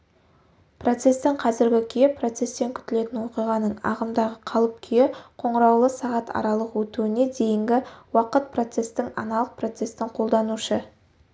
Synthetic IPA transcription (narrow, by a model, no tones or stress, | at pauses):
pro̞t̪se̞st̪ɪŋqʰɑzɪɾɡʲɪkʲʰjepʰro̞t̪se̞st̪e̞ŋkʲʰʏ̥t̪ɪle̞t̪ɪnwo̞qijʁɑnəɴɑ̰ʁəmd̪ɑʁəqʰɑlˠəp̚kʲʰʏjeqʰo̞ɴəɾɑwlˠəsɑʁɑt̪ʰɑ̰ɾɑlˠəqwɵt̪uɪne̞d̪e̞jɪŋɡʲɪwɑqət̪̚pʰro̞t̪se̞st̪ɪŋɑ̰nɑlˠəq̚pro̞t̪se̞st̪ɪɴqʰo̞lˠd̪ɑnuʃə